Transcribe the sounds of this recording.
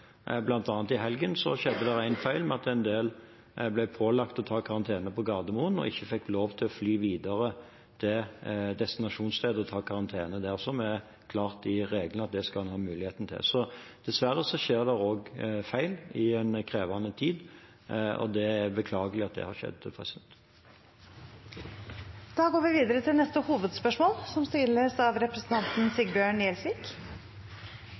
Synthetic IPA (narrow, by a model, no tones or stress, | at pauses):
blɑnt̪ɑːnət̪ɪɦɛlɡənsɔ̰ɕɛd̪ːəd̪ɛɾæɪnfæɪlmɛɑt̪ænd̪eːl | blæɪpʰoːlɑkt̪ɔt̪ʰɑːkʰɑʁɑnt̪ʰeːnəpʰɔɡɑːd̪əmuːənɔ̰ɪçːəfɛkːloːʋt̪ʰɪlɔflyːʋiːd̪ɑʁə | t̪ʰɪd̪ɛst̪ɪnɑʂuːnst̪ʰeːd̪əɔt̪ʰɑːkʰɑʁɑnt̪ʰeːnəd̪æʁsɔmæ | kʰlɑːʁt̪ɪɾeːɡlən̩ɑt̪̚d̪ɛskɑlɑnhɑːmʉːlɪeːt̪n̩t̪ʰɪ̰lsɔd̪̥ɛsʋæɾːəsɔʃeːʁd̪ɛoːɡfæɪlɪɛnkʰɾeːʋɑnət̪ʰiːd̪ | ɔ̰d̪ɛæɾbəkʰlɑːɡəlɪɑt̪̚d̪ɛ̰hɑɾʃɛ̰d̪ːpʰʁɛsɛnt̪ | d̪̥ɑːɡoːɾʋɪʋiːd̪əɾət̪ʰɪlnɛst̪əhuːʋəd̪spœʂmoːlsɔmst̪ɪləsɑʋɾɛpɾəsn̩t̪ʰɑnt̪n̩sɪɡbjøːɳɛlsʋik